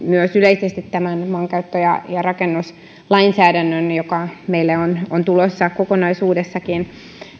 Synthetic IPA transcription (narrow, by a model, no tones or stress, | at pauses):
myøsyleisest̪it̪tæmænmɑːŋkɑyt̪ːojɑ̰jɑrɑkenːus | lɑinsæːdænːønjokɑmeilːæonont̪ulosːɑkokonɑisuːdesːɑkin